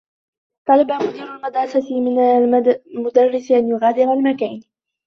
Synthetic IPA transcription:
t̪ˤɑlabamʊd̪iːɾalmad̪ɾˤɑsat̪ɪmɪnlmʊd̪ɑrˤːɪsʔanjʊɣaːd̪ɪɾalmakaːn

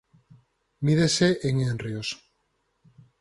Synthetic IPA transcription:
miðeseʔeŋenrjos

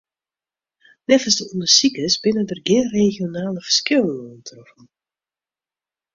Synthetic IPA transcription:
nɛfəsdəunəsikəsbɪnədərɡɪnreːxjonaːləfə̥r̥skɪlˠəŋuəntʰrɔfən̩

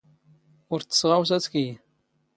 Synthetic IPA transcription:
ʊɾθə̥sʁaws̬æt͡ski

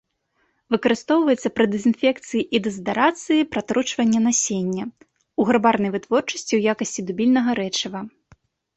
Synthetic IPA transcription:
vɨkɐɾɨst̪ɔwvɐjɛt̪sːɐpɾɨd̪ɛzʲinfʲɛkt̪sɨjiʔid̪ɛzd̪aɾat̪sɨjipɾat̪ɾut͡ʂvɐnʲːɐnasʲenʲːɐ | uɣɾabarnɐjvɨt̪vɔrt͡ʂɐsʲt͡sʲiwjakɐsʲt͡sʲid̪ubʲilʲnɐɣɐɾɛt͡ʂɐvɐ

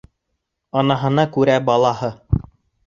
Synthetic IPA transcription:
ɑnɑɦɤ̆nɑkʉɾæbɑlˠɑhɤ

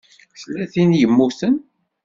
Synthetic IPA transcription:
θlːæθinjəmːuθən

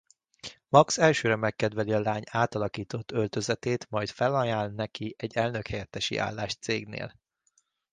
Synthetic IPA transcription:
mɒksɛlʃøːɾɛmɛkːɛd̪ʋɛliɒlaːɲaːt̪ɒlɒkiːt̪o̞t̪ːølt̪øzɛt̪eːt̪mɒjt̪fɛlɒjaːlnɛkiʔɛɟːɛlnøkhɛjɛt̪ːɛʃḭʔa̰ːlːaːʃt̪seːɡnḛːl

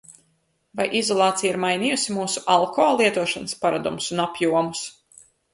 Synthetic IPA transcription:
vajʔizɔlˠɑːt̪sijaiɾmajniːjusimuːsuʔalˠkɔːlˠiɛt̪uɔʃanspaɾad̪ṵmsunapjuɔmus

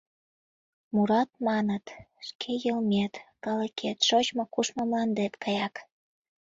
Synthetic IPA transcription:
muɾɑt̪̚mɑnət̪ʃkʰejəlmʲet̪kɑlekʰet̪ʃot͡ɕmokuʃmŏmlɑnd̪et̪kʰɑjɑk

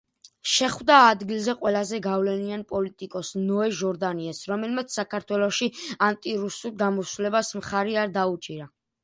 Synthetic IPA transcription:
ʃɛχwd̪aːd̪ɡilˠzɛqʼwɛlazɛɡavlɛnianpʼɔlit̪ʼikʼɔsnɔɛʒɔɾd̪aniɛsɾɔmɛlmat̪sʰsakʰaɾt̪ʰwɛlˠɔʃiant̪ʼiɾusulˠɡamɔsulɛbasmχaɾiaɾd̪aut͡ʃʼiɾa

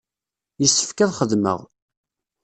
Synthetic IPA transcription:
jəsːə̥fkæðχəðmə̰ʁ

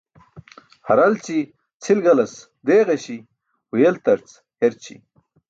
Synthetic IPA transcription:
hɐɾɐlt͡ɕi | t͡sʰilɡɐlɐs | d̪eːɣeɕi | hujelt̪ɐɾt͡s | heɾt͡ɕʰḭ

